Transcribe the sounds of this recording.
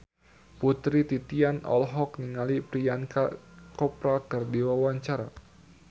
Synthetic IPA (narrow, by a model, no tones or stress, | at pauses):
put̪ɾit̪it̪ianɔ̰lɦɔkniŋalipɾianka̰kɔpɾakərdiwawaɲt͡ʃaɾa̰